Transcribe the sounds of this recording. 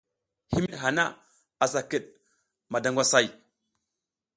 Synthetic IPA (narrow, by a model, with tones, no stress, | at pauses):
hi˦mi˦ɦa˨na˦ | a˨sa˨kə˨ɗ̚ | ma˨da˨ŋɡʷa˦sa˦˨j